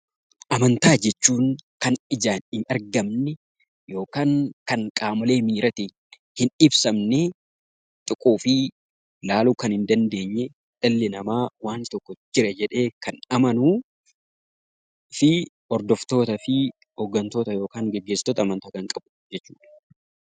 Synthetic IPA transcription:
ʔɐmɐnt̪aːd͡ʒɛt͡ʃːuːŋkɐnɪd͡ʒaːnɪnɐɾɡɐmnɛ | jo̞ːkaːŋkɐŋkʼaːmɐle̞ːmiːɾɐt̪i | hɪnɪbsɐmnɛ | t̪ʼʊkʼuːfɪ | laːluːkɐnhɪnd̪ɐnd̪e̞ːɲːɛ | ᶑɐlːɪnɐmaːwaːnt̪ɔkːɔd͡ʒɪɾɛd͡ʒɛᶑe̞ːkɐnɐmɐnuː | fɪ | ɔɾd̪ɔft̪o̞ːt̪ɐfɪ | hoːɡːɐnt̪o̞ːt̪ɐjo̞ːkaːŋɡɛɡːeːsɪ̥t̪oːt̪ɐːmɐnt̪aːkɐŋkʼɐbʊ̥d͡ʒɛt͡ʃːuːᶑɐ̥

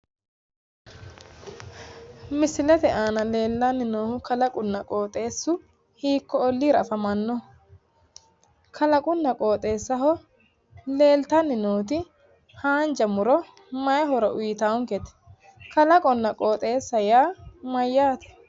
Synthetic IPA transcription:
mɪsɪlɛt̪ɛʔaːnɐle̞ːlːanːɪnoːhʊkɐlɐkʼʊnːɐkʼoːt̪ʼe̞ːsːʊ | hiːkːɔɔlːiːɾɐfɐmɐnːɔ | kʰɐlɐkʼʊnːɐkʼoːt̪ʼe̞ːsːɐɦɔ | le̞ːlt̪ɐnːɪnoːt̪̬ɪ | haːnd͡ʒɐmʊɾɔ | mɐjɛɦɔɾɔʔʊjɪt̪aːwʊŋkɛt̪ɛ̥ | kɐlɐkʼɔnːɐkʼoːt̪ʼe̞ːsːɐjaːmɐjːaːt̪ɛ̥

